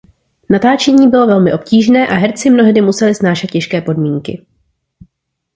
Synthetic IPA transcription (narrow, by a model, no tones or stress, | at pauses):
nat̪aːt͡ʃɛɲiːbɪlo̞vɛlmɪʔo̞p̚ciːʒnɛːʔaɦɛɾt͡sɪmno̞ɦdɪmusɛlɪsnaːʃɛt̪̚cɛʃkɛːpo̞dmiːŋkɪ̰